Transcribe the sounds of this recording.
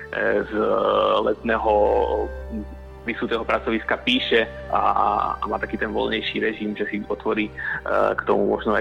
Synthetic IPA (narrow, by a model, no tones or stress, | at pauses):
zlɛt̪nɛːɦɔ | pɾisuːt̪ɛːɦɔpɾat͡sɔʋiskapiːʃɛ | a̰a̰maːt̪akiːt̪ɛnʋɔ̰lɲɛjʃiːɾɛʒimʒɛsiɔt̪ʋɔɾiːkt̪ɔmumɔʒnɔa̰